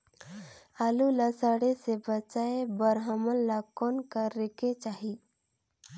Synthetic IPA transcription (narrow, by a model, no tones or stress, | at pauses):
aːlulasaɽesebət͡ʃaːebəɾɦəməlːakɔːnkaɾːekʰet͡ʃaːɦi